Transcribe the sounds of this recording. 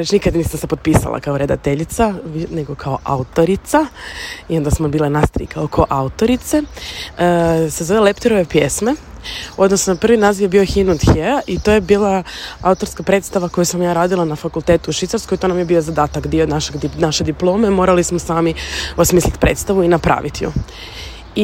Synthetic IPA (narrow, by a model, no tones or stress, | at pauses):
ɾet͡ʃnikad̪niːsamse̞popiːsa̰lˠa̰kaoɾe̞d̪a̰t̪eʎit̪sane̞ɡo̞kʰaoʔa̰ut̪o̞ɾit̪saio̞nd̪asmobiːlenast̪ɾḭkʰaokʰoʔaut̪o̞ɾit̪se | sezo̞ʋelept̪iɾoʋepjesme̞o̞d̪nosnopr̩ʋinaziʋjebio̞xinud̪xeaʔit̪o̞ːjebiːlˠaa̰ut̪o̞ɾskapɾe̞ːt̪st̪aʋako̞jusamjaːɾaːd̪ilˠanafakulˠt̪et̪uuʃʋit̪saɾskojt̪o̞namje̞biːo̞zad̪aːt̪akd̪ionaʃeɡnaʃe̞d̪iplˠo̞ːme̞mo̞ːɾalismosaːmiosmiːslit̪pɾe̞̰t̪st̪aʋuinapɾa̰ːʋit̪ijo̰